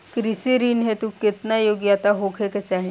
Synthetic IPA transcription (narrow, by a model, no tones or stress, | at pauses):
kɾisiɾiːnɦet̪uket̪najoɡjat̪aɦokʰeket͡ʃaɦe